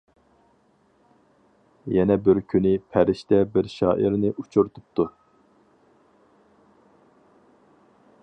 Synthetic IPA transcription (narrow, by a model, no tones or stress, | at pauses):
jɛnɛbɪɾkʲʰynɪpʰɛɾɪʃt̪ɛbɪɾʃɑːʔiɾnɪʔut͡ʃʰuɾt̪ʰup̚t̪u